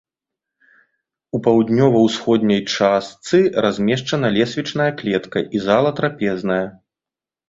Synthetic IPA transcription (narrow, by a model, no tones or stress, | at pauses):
upawd̪ʲnʲɔvɐwsxɔd̪ʲnʲɐjt͡ʂast̪sɨrazʲmʲɛʂt͡ʂɐnɐlʲɛsʲvʲit͡ʂn̪ɐjɐklʲɛt̪kɐʔizalˠɐt̪ɾapʲɛznɐjɐ